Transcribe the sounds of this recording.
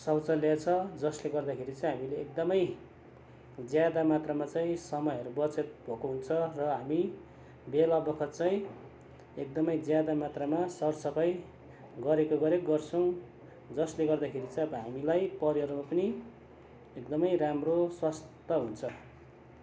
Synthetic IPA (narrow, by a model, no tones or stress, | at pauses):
sʌwt͡sʌljat͡sʰʌd͡zʌsleɡʌrd̪akʰeɾit͡sʌĩɦamileːk̚d̪ʌmʌj | d͡zjad̪amat̪ramat͡saĩsʌmʌjʌɾubʌt͡set̪̚bʱʌkoɦunt͡sʰʌrʌɦami | belabʌkʰʌt̪̚t͡saĩ | ek̚d̪ʌmʌjd͡zjad̪amat̪ramasʌrsʌpʰʌj | ɡʌɾekoɡʌɾekɡʌrt͡sʰʌw̃ | d͡zʌsleɡʌrd̪akʰeɾit͡sʌʌbʌɦamilajpʌɾiʌɾmapʌni | ekd̪ʌmʌjramroswast̪ʌɦunt͡sʰʌ